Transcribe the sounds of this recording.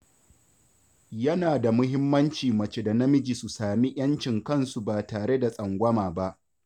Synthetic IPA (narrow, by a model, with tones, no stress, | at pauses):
jɐ˦naː˨da˨mʊ˦ɦɪ˦mːɐ˦nt͡ʃiː˨mɐ˨t͡ʃe˦da˨nɐ˦mɪ˦d͡ʒi˨su˨saː˨mi˦j̰ɐ˦nt͡ʃɪ˨ŋkɐ˦˨nsu˨baː˨taː˨ɽe˦da˨sʼɐ˨ŋɡʷɐ˦maː˨ba˦ʔ